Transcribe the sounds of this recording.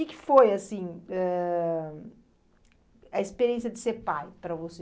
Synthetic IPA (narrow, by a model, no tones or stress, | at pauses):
ɪkɪ̥fojɐsĩɛ | ɐispeɾiẽsiɐd͡ʒɪseɾpajpɾɐvose